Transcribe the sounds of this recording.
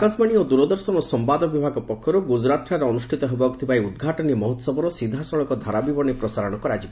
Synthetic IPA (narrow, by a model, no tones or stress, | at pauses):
kɔsmaɽ̃iod̪uɾɔd̪ɔɾsɔmɔsɔmpad̪ɔbibʱaɡɔpɔkʰːɔɾuɡud͡ʒɾat̪ɾʰaɾeɔnusʈʰit̪ɔɦebɔɡt̪ʰibajud̪ɡʱaʈɔnimɔɦɔt̪ɔsɔbɔɾɔsid̪ʱasɔɭɔkɔd̪ʱaɾabibɔnipɾɔsaɾɔɽ̃ɔkɔɾad͡ʒib